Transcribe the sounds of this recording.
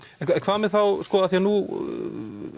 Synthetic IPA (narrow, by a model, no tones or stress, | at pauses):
kɛkʰv̥aːðmɪðθawskɔːaθjanu